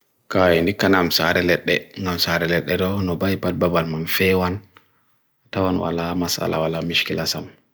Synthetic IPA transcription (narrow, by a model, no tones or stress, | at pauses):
kajɛndikːanamsaɾɛlɛɗːɛŋɡamsaɾɛlɛɗːɛdɔnɔbajpat̚babalmamfɛwan | tawanwa̰lamasa̰la̰walamiʃkilasam